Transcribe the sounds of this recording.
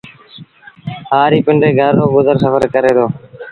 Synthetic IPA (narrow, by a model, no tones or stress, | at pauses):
ɦaːɾiːpɪɳɖeːɡʱəɾoːɡʊzəɾsəfəɾkəɾeːd̪oː